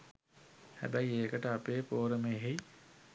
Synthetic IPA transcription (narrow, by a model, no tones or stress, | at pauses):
hæ̰bæjeːkəʈəapeːpoːɾəmeːɦej